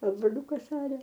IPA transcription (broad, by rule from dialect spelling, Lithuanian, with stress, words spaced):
ɐ broːˈlʲʊkɐs ˈɑːrʲɛ